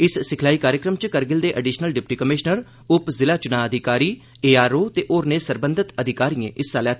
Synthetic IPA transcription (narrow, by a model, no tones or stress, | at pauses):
ɪssɪkʰlaːiːkaːɾjəkɾəmt͡ʃkəɾɡɪld̪eːʔəɖiːʃnəlɖɪpʈiːkəmɪʃnəɾ | ʊpzɪlaːt͡ʃʊnãːəd̪ʱɪkaːɾiː | eːaːɾoːt̪eːʔoːɾneːsəɾbə̃nd̪ʱɪt̪əd̪ʱɪkaːɾiːḛ̃ːʔɪsaːlɛːt̪